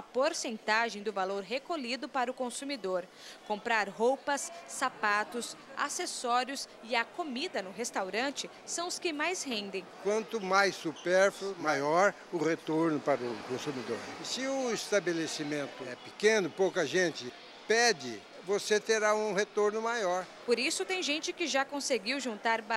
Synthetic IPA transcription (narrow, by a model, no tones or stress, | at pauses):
ɐpoɾsẽnt̪aʒẽj̃d̪ʊvaloɾɦekolid̪ʊpaɾʊkõsumid̪oɾ | kõmpɾaɾɦowpɐsːapat̪ʊsa̰sesɔɾjʊsɪɐkomid̪ɐnʊɦest̪awɾɐ̃nt͡ʃɪ | sɐ̃w̃ʊskɪmajsɦẽnd̪ẽj̃kwɐ̃nt̪ʊmajsːupɛɾflʊmajɔɾ | ʊʁet̪oɾnʊpaɾʊkõsumid̪o̰ɾsɪʊist̪abelesimẽnt̪ʊɛpikẽnʊpowkɐʒẽt͡ʃɪ | pɛd͡ʒɪ | voset̪eɾaũhet̪oɾnʊmajɔɾ | poɾisʊt̪ẽj̃ʒẽnt͡ʃɪkɪʒakõseɡiwʒũnt̪aɾb